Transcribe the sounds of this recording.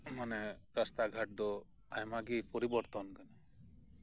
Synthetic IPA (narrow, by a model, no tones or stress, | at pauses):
manɛɾast̪aɡʱaʈ̚d̪ɔ | ajmaɡipɔɾibɔɾt̪ɔnkana